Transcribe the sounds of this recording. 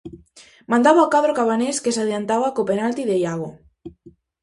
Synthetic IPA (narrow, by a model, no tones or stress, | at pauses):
mãnd̪aβaakaðɾokaβaneskesaðiant̪aβakopenalt̪iðejaɣo